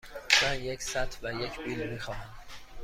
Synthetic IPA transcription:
væjecʰsæt̪ʰvæjecʰbiːlbixɒːɦæm

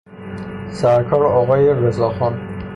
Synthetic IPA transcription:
sæɾkʰɒːɾɒːɣɒːjeɾezɒːxɒn

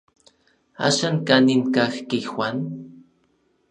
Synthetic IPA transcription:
a̰ʃankaninkaxkixwʷan

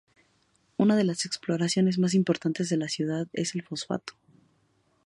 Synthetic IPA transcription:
unað̞e̞lase̞ksplo̞ɾasjo̞ne̞zmas̬impo̞ɾt̪ant̪e̞zðe̞lasjuð̞aðe̞se̞lfo̞sfa̰t̪o̥

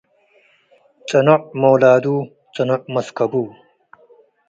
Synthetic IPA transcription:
t͡sɐnoʔmowlaːd̪uː | t͡sɐnoʔmɐskɐbuː

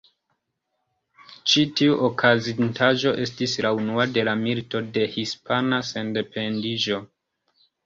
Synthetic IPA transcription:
t͡ʃitiuʔokʰazintʰaʒo̞ʔe̞stislaunuade̞lamilto̞de̞hispanase̞nde̞pe̞ndiʒo̞

